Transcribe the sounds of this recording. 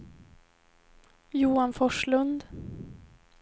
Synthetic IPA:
juːanfɔʂɭɵnd̪

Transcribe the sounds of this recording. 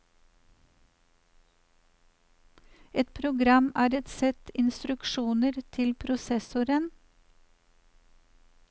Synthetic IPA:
ɛt̪̚pʰɾʊɡɾɑmæːɾɛt̪sɛt̪ɪnst̪ɾʉkʃuːnəɾt̪ʰɪlpʰɾʊsɛsʊɾən

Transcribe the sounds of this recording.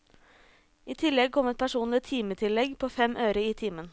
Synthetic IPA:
ʔiːt̪ʰɪlɛɡ̚kʰɔmɛt̪̚pʰæʃuːnlɪt̪ʰiːmət̪ʰɪlɛɡpʰoːfɛmʔøːɾəiːt̪ʰiːmən

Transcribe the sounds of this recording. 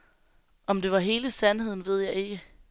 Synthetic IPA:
ɒ̽md̥e̝ʋɑ̈ɦe̝ːləsænhe̝ð̞̰ˠn̩ʋe̝ð̞̰ˠjɑ̈ɪe̝ɡ̥ə

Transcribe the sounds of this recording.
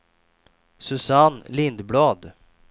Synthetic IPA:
sɵsanlɪnd̪blɑːd̪

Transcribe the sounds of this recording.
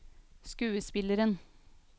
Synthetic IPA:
skʉːəspɪləɾən

